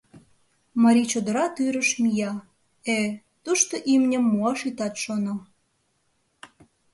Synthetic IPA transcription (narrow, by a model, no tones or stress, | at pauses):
mɑɾʲit͡ɕod̪ə̆ɾɑt̪yɾə̆ʃmijɑ | e | t̪uʃt̪oʔimnʲəmːuɑʃit̪ɑt̪ʃono